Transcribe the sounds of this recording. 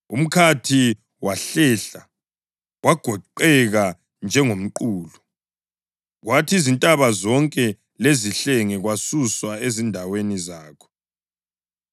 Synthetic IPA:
ṵm̩kʰatʰi | waɬɛɬa | waɡ̥ʱɔǃɛɣa | nd͡ʒʱɛŋom̩ǃuːlu | ɣwatʰiizintʼaβazɔŋkʼɛ | leziɬɛŋɛɣwasuswaezindʱawenizaːkʰɔ̥

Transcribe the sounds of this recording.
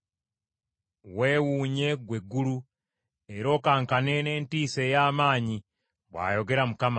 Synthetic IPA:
we̞ːwuːɲe̞ɡweɡuɾu | eɾo̞ːkaːŋkane̞ne̞ːntiːsejaːmaːɲi | βwa̰ːjo̞ɡe̞ɾamukama

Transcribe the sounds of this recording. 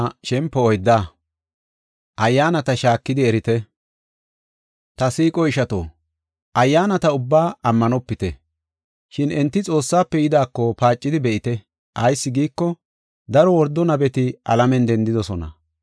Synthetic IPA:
ʃɛmpːɔɔjd̪ːaː | ʔɐjːaːnɐt̪ɐʃaːkːɪd̪ɪɛɾɪt̪ɛ | t̪ɐsiːkʼɔɪʃɐt̪o̰ː | ʔɐjːaːnɐt̪ɐʊbːaːɐmːɐnɔpːɪt̪ɛ | ʃɪnɛnt̪ːɪt͡sʼo̞ːsːaːpːɛjɪd̪aːkːɔpaːt͡ʃʼːɪd̪ɪbɛʔɪt̪ɛ | ʔɐjsːɪɡiːkːɔ | d̪ɐɾɔwɔɾd̪ːɔnɐbɛt̪ɪʔɐ̰lɐmɛnd̪ɛnd̪ɪd̪ɔsɔnɐ̰

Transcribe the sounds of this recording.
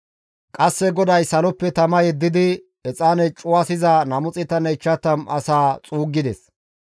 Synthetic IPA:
kʼɐsːɛɡɔd̪ɐjsɐlɔpːɛt̪ɐmɐjɛd̪ːɪd̪ɪ | ɛt͡sʼaːnɛt͡ʃʼʊwasɪzanɐmʊt͡sʼɪt̪ːɐnɛt͡ʃːɐt̪ːɐmɐ̰saːt͡sʼuːɡːɪd̪ɛs

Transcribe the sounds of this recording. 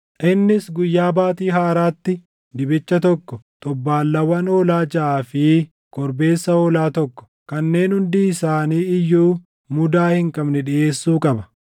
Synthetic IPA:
ʔɪnːɪsɡʊjːaːbaːt̪iːɦaːɾaːt̪ːɪ | d̪ɪbɪt͡ʃːɐt̪ɔkːɔt̪ʼɔbːaːlːɐwɐnoːlaːd͡ʒɐʔaːfɪ | kɔɾbe̞ːsːɐoːlaːt̪ɔkːɔ̥ | kɐnːe̞ːnhʊnd̪iːsaːniːɪjːuː | mʊd̪aːhɪŋkʼɐbnɛᶑɪʔe̞ːsːuːkʼɐbɐ̥

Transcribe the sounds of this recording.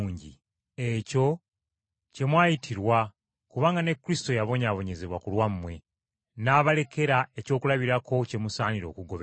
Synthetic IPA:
ɲɟḭ | e̞co̞ | ce̞mwaːjitʰiɾwa | kuβaːŋɡane̞kːuɾisi̥to̞jaβo̞ɲaːβo̞ɲe̞ze̞βwakulwamːwe̞ | naːβale̞ke̞ɾae̞co̞ːkulaβiɾakʰo̞ce̞musaːniɾo̞̰ːkuɡo̞βe

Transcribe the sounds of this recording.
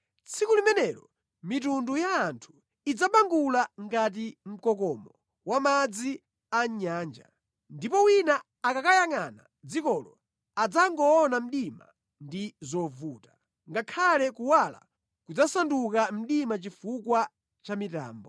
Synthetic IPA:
t͡sʰikulimɛnɛɾɔ | mitundujaːntʰu̥ | id͡zaɓaŋɡulaŋɡat̬im̩kɔkɔmɔ | wamad͡zi | aɲaːnd͡ʒa̰ | ndipɔwinaː | kakajaŋana̰ | d͡zikɔlɔ | ad͡zaŋɡɔːnam̩ɗima̰ | ndizɔvuːtḁ | ŋɡakʰalɛkuwala̰ | kud͡zasandukam̩ɗimat͡ʃifukwa | t͡ʃamita̰ːmbɔ

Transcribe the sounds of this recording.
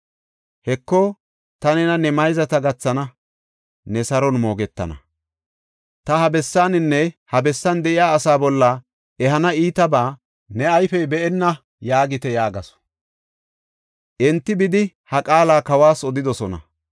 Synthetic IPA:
hɛkːɔ | t̪ɐnɛnɐnɛmɐjzɐt̪ɐɡɐt͡sːɐnɐ | nɛsɐɾɔnmo̞ːɡɛt̪ːɐ̰nɐ̰ | t̪ɐhɐbɛsːaːnɪnːɛhɐbɛsːɐnd̪ɛʔɪjaːsaːbɔlːɐ | ɛɦɐnɐiːt̪ɐbaː | nɛɐjfɛjbɛʔɛnːɐ | jaːɡɪt̪ɛjaːɡɐsɔ̥ | ʔɛnt̪ːɪbɪd̪ɪ | hɐkʼaːlaːkɐwaːsɔd̪ɪd̪ɔsɔnɐ̰

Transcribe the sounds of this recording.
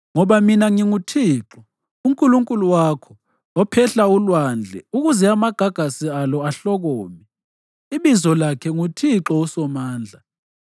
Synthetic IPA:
ŋɔβaminaŋiŋutʰiːǁɔ | uŋkʼuluŋkʼuluwaːkʰɔ | ɔpʰɛɬaulwand͡ɮʱɛuɣuzɛamaɡ̥ʱaɡ̥ʱasialɔaɬɔɣɔːmi | iβizɔlakʰɛŋutʰiǁɔusɔmaːnd͡ɮʱa

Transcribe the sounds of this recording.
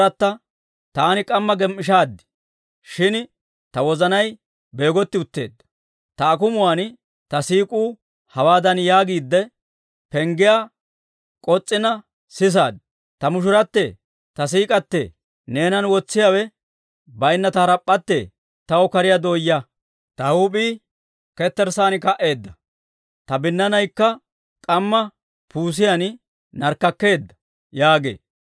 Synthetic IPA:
ɐt̪ːɐ | t̪aːnɪkʼɐmːɐɡɛmːɪʃ̬aːd̪ːɪ̥ | ʃɪn | t̪ɐwɔzɐnɐj | be̞ːɡɔt̪ːɪʊt̪ːe̞̰ːd̪ːɐ̥ | t̪ɐːkʊmʊwaːn | t̪ɐsiːkʼuː | hɐwaːd̪ɐnjaːɡiːd̪ːɛ | pɛŋɡɪjaː | kʼɔt͡sʼːɪnɐ | sɪs̬aːd̪ | t̪ɐmʊʃ̬ʊɾɐt̪ːḛ | t̪ɐs̬iːkʼɐt̪ːḛː | ne̞ːnɐnwɔt͡sːɪjawɛ | bɐjnːɐt̪ɐɾɐpʼːɐt̪ːḛː | t̪ɐwɔkɐɾɪjad̪oːjːɐ | t̪ɐhuːpʼiː | kɛt̪ːɛɾsaːnɪkɐʔe̞ːd̪ːɐ | t̪ɐbɪnːɐnɐjkːɐ | kʼɐmːɐ | pʰuːs̬ɪjɐn | nɐɾkːɐkːe̞ːd̪ːɐ̥ | jaːɡḛː

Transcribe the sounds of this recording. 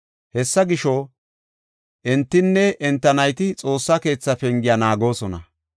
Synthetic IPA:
hɛsːɐɡɪʃo | ʔɛnt̪ːɪnːɛɛnt̪ːɐnɐjt̪ɪt͡sʼo̞ːsːɐke̞ːt͡sːɐfɛŋɡɪjɐnaːɡo̞ːsɔnɐ

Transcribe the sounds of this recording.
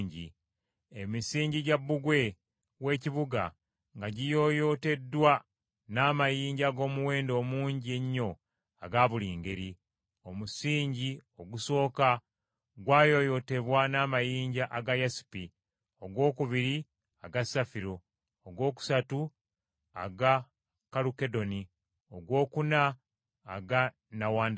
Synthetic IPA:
ɲɟi | emisiːɲɟiɟabːuɡwe̞ | we̞ːciβuɡa̰ | ŋɡaɟijo̞jo̞te̞dːwa | naːmajiːɲɟaɡo̞ːmuwe̞ːndo̞ːmuːɲɟie̞ɲːo̞ | a̰ɡaːβuliːŋɡe̞ɾi | o̞musiːɲɟio̞ɡuso̞ːka | ɡwaːjo̞jo̞te̞βwanaːmajiːɲɟaʔaɡajasi̥pi | oɡwo̞ːkuβiɾi | aɡasafiɾo̞ː | ɡwo̞ːku̥satu | a̰ɡa | kaluke̞do̞ni | oɡwo̞ːkunaː | ɡa | nawaːnd

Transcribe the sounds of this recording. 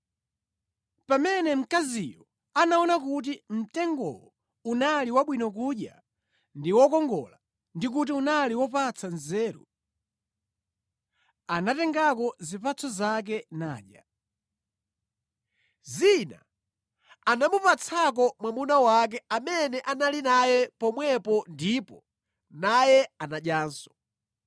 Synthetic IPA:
pamɛnɛm̩kazijɔ | anaɔnakut̬im̩tɛŋɡɔ̰wɔ | unaliwaɓwinɔk̬uɗja̰ | ndiwɔkɔŋɡɔ̰la | ndik̬utiunaliwɔpat͡sanzɛːɾṵ | anatɛŋɡakɔzipat͡sʰɔzak̬ɛnaːɗja | zina̰ | anamupat͡sʰak̬ɔmwamunawak̬ɛamɛnɛʔanalinajɛpɔmwɛpɔndipɔ | najɛanaɗjaːnsɔ̥

